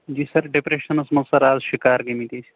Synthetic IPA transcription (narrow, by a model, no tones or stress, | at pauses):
d͡ʒiːsɐɾɖepɾeʃɐnɐsmɐsɐɾaːzʃikaːɾɡemit̪it͡ʃʰ